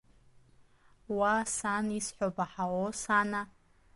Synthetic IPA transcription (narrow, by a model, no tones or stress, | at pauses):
wasanisħʷobaħawosana